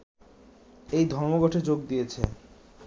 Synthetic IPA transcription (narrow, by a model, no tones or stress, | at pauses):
ejd̪ʱɔɾmoɡoʈʰed͡ʑoɡ̚d̪ijet͡ɕʰḛ